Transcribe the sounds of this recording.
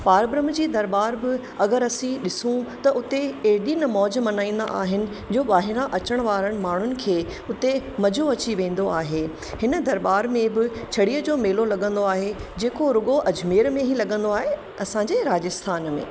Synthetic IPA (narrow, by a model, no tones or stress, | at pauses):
paːɾbɾəmd͡ʑiːd̪ɐɾbaːɾbɪ | ɐɡəɾɐsĩɗɪsũt̪ɐʊt̪eeːɗinɐmɔːd͡ʑmɐnaːĩːnd̪a̰ʔa̰ːɦɪnɪ̆ | d͡ʑoːʋaːɦɪɾaʔɐt͡ɕəɽ̃ʋaːɾəɽ̃maːɳ̤ʊnɪ̆kʰeːʊt̪emɐd͡ʑʱoɐt͡ɕiʋẽːn̆d̪oaːɦeː | hɪnəd̪ɐɾbaːɾmẽbɪt͡ɕʰɐɽiːəd͡ʑoːmeːlolɐɠə̃n̆d̪oaːɦed͡ʑeːkoɾʊɡoʔɐd͡ʑmeːɾmẽɦilɐɠə̃nd̪oaːɦe | ɐsãːɲd͡ʑeɾaːd͡ʑəst̪ʰaːnmḛ̃ː